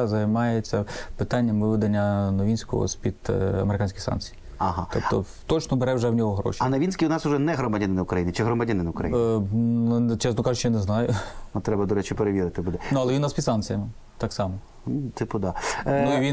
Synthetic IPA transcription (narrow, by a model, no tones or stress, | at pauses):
zɐjmɑjet͡sʲːɐpɪt̪ɑnʲːɐmʋɪʋɪd̪ɐnʲːɐnɔʋʲinʲsʲkɔ̰ɦɔ̰sʲpʲid̪̥ɐ̰meɾɪkɑnʲsʲkɪxsɑ̰nt͡sʲij | ɐɦɑɔ̰pt̪ɔ̰ | t̪ɔt͡ʃnɔbeɾɛwʒɛwnʲɔɦɔɦɾɔ̰ʃʲiɐnɐʋʲinʲsʲkʲiʊnɑsʊʒɛnɛɦɾɔmɐdʲɐnɪnɐʊkɾɐjinɪt͡ʃɪɦɾɔmɐdʲɐnɪnɐʊkɾɐji | t͡ʃɛsnɔkɑʒʊt͡ʃːɔjanɛznɑjʊɔt̪ɾɛbɐd̪ɔɾɛt͡ʃʊpeɾeʋʲiɾɪt̪ɪbud̪ɛnuɐlˠɛʋinːɑspʲid̪sɑnk̪t͡sʲijɐmɪ | t̪ɑksɑmɔ | t̪ɪpʊd̪ɑnuiʋʲi